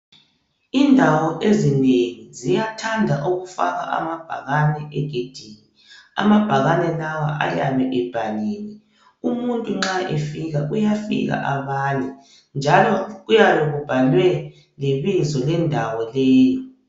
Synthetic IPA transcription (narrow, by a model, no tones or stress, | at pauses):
indʱawɔʔezineŋizijatʰandʱaʔoɣufa̰ɣa̰ʔa̰mab̥ʱaɣanɛʔɛɡ̥ʱed̥ʱiːni | a̰mab̥ʱaɣanɛlawaʔa̰ja̰βɛʔɛb̥ʱaliːni | umuntʼuŋ͡ǁaʔɛfiɣaʔujafḭɣa̰ʔaβaːnɛ | nd͡ʒʱalɔɣujaβɛɣub̥ʱalwɛ | leβizɔlɛndʱawɔlɛːjɔ